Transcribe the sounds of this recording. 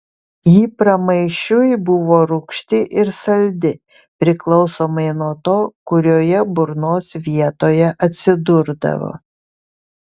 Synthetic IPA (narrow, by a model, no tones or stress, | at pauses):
jiːpɾɐmɐɪʃʲʊjbʊʋoːɾʊkʃʲt̪ʲɪʔɪɾsɐlʲd̪ʲɪ | pʲɾʲɪklˠɒʊsoːmɐɪnuɔt̪oːkʊɾʲoːjɛbʊɾnoːsʋʲiɛt̪oːjɛʔɐt̪ʲsʲɪd̪ʊɾd̪ɐ̰ʋo̰ː